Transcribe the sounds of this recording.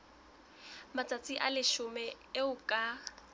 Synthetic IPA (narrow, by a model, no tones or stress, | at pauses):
mat͡sʼat͡sʼiʔalɪʃʊmɛ | ɪʊkʼa